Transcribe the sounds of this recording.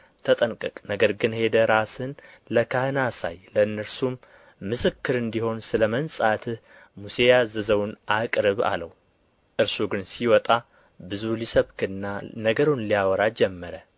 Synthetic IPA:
t̪ʰət̪ʼənkʼɨkʼnəɡəɾɡɨnhe̞d̪əɾasɨnləkʰahɨnasa̰jləɨnːəɾsumː | ɨsɨkːɨɾɨnd̪iho̞nsɨləmənsʼat̪ʰɨh | muse̞jazəzəwnʔakʼɾɨβa̰lə̰w | ʔɨɾsuɡɨnsiwɔt̪ʼa | bɨzulisəβkʰɨnːanəɡəɾunlijawɔɾad͡ʒɛmːəɾə

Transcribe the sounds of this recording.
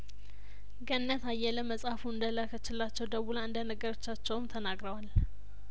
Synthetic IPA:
ɡənːət̪ajːɛləməsʼafuɨnd̪ələkʰət͡ʃːɪlːat͡ʃːɛwd̪əβulaɨnd̪ənəɡəɾot͡ʃːat͡ʃːɛwmt̪ʰənaɡɾəwal

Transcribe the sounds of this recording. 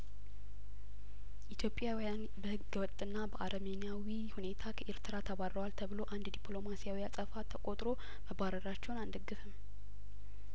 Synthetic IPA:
ʔit̪ʰjo̞pʼjawjan | bəhɨɡəwɔt̪ʼɨnːabəʔaɾəmenijawihune̞t̪ʰakʰəʔeɾt̪ʰɨɾat̪ʰəβarəwalt̪ʰəβɨlo̞ʔand̪d̪ipʼlo̞masijawiasʼəfat̪ʰəkʼo̞t̪ʼɾo̞ | məbaɾəɾat͡ʃːɛwnand̪əɡːɨfɨm

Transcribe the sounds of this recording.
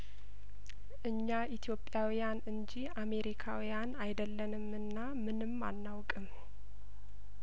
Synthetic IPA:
ʔɨɲːaʔit̪ʰjo̞pʼːjawijanɨɲd͡ʒiame̞ɾikʰawijanajd̪əlːənɨmɨnːa | mɨnɨmːa̰nːawkʼɨm

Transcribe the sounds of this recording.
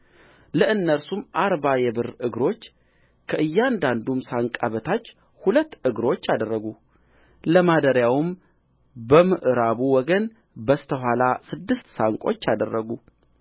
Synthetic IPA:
ləʔɨnːəɾsumaɾbajɛbɨɾɨɡɾo̞t͡ʃː | kʰəʔɨjːand̪and̪umsaŋkʼaβət̪ʰat͡ʃː | hulət̪ːɨɡɾo̞t͡ʃːad̪ərːəɡu | ləmad̪əɾjawɨm | bəmɨʔɾaβuwɔɡən | bəst̪ʰəɦʷalasɨd̪ːɨst̪saŋkʼo̞t͡ʃːad̪ərːəɡu

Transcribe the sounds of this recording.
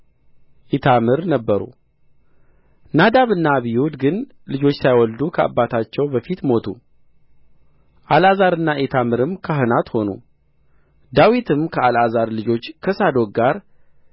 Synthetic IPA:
ʔit̪ʰamɨɾnəbːəɾṵ | nad̪aβɨnːaβijwud̪ɡɨn | lɨd͡ʒo̞t͡ʃːsajwɔld̪ukʰəʔa̰bːat̪ʰat͡ʃːɛwbəfit̪mo̞t̪ʰṵ | ʔalazaɾɨnːaʔet̪ʰamɨɾɨmkʰaɦɨnat̪ho̞nṵ | d̪awit̪ʰɨmkʰəalazaɾlɨd͡ʒo̞t͡ʃːkʰəsad̪o̞k̚ɡaɾ

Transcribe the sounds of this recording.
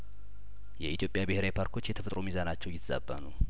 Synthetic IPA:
jɛit̪ʰjo̞pʼjabɨheɾajpʰaɾkʰo̞t͡ʃːjɛt̪ʰəfət̪ʼɾomizanat͡ʃːɛwjɪt̪ʰːza̰bːa̰nu

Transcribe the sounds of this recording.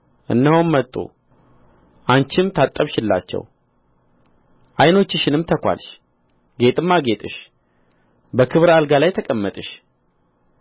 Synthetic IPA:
ʔɨ̰nːəhommət̪ʼːṵ | ʔant͡ʃɪmt̪ʰat̪ʼːəβʃɪlːa̰t͡ʃːɛ̰w | ʔajno̞t͡ʃːɪʃɪnɨmt̪ʰəkʷa̰lʃ | ɡe̞t̪ʼɨmːaɡet̪ʼɨʃ | bəkʰɨβɾalɡalajt̪ʰəkʼəmːət̪ʼɨʃ

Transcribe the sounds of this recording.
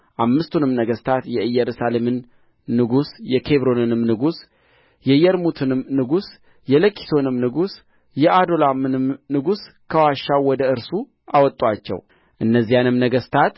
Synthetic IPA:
ʔamːɨst̪ʰunɨmnəɡəst̪ʰat̪jɛʔɨjːɛɾusalemɨnː | ɨɡusjɛkʰe̞βɾo̞nɨnɨmnɨɡus | jɛjɛɾmut̪ʰɨnɨmnɨɡus | jɛləkʰʼːi̥sʰo̞nɨmnɨɡus | jɛʔad̪o̞lamɨnɨmnɨɡus | kʰəwaʃːawwːɔd̪əɨɾsu | ʔawɔt̪ʼːwat͡ʃːɛ̰w | ʔɨnːəzːijanɨmnəɡəst̪ʰat̪

